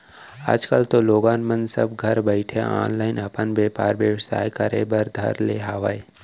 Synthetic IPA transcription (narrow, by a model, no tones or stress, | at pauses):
a̰ːd͡ʒkəlt̪oloːɡaːnmə̃nsɐ̰b̚ɡʱɐɾbəɪʈʰea̰ːnlaːɪnɐpənʋjeːpaːɾʋjəʋsa̰ːjkɐɾḛbɐɾd̪ʱɐ̰ɾleːɦaːʋa̰ːe